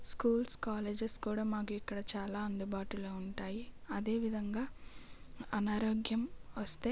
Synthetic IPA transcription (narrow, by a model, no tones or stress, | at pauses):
skuːlskaːleːd͡ʒeskuːɽaːmaːkuikːɐɽɐt͡ʃaːlaːɐnd̪ubaːʈuloːuɳʈaːjiɐd̪e̞ːʋid̪ʱɐŋɡaː | ɐnaːɾoːɡjɐmʋɐst̪e̞ː